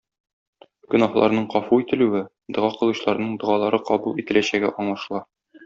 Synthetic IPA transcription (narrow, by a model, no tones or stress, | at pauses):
ɡ̥ɵ̆nɑhlˠɑ̰ɾnɤɴqɒfuit̪ɘ̆lʉwɘ | d̪ɤ̆ʁɑqɤ̆lˠɤ̆ɕlˠɑɾnɤɴd̪ɤ̆ʁɑlˠɑɾɤqɒbulˠit̪ɘ̆læɕæɡæ̰ʔɒɴlˠɑʃlˠɑ